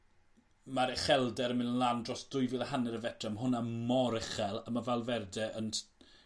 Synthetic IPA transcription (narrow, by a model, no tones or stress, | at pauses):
maɾɛχɛlˠdɛɾəmɪnənlˠandrɔsd̥ʊjvɪlˠaɦanɛɾəvɛtʰr̥ɛmɦʊnamɔɾɪχɛlˠəmavɛlˠvɛrdɛʔən